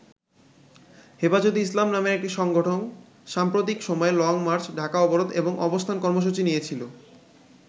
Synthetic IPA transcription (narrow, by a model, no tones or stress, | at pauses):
hefad͡ʑot̪islamnameɾek̚ʈiʃɔŋɡoʈʰon | ʃampɾot̪ikʃɔmɔelɔŋmaɾt͡ɕʰɖʱakaɔboɾot̪eboŋɔbost̪ʰankɔɾmoʃ̬ut͡ɕinijet͡ɕʰilo